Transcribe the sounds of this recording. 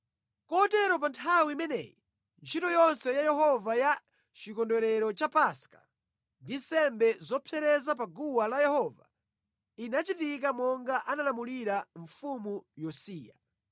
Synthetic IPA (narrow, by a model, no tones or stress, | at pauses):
kɔtɛɾɔpantʰawimɛnɛ̰ji | nt͡ʃʰitɔjɔnsɛjajɛɦɔvaja | t͡ʃikɔndwɛɾɛɾɔt͡ʃapaskḁ | ndinsɛmbɛzɔpʰɛɾɛzap̬aɡuwalajɛhɔːva̰ | inat͡ʃitik̬amɔŋɡaʔanalamuliɾaɱfumujɔsiːja̰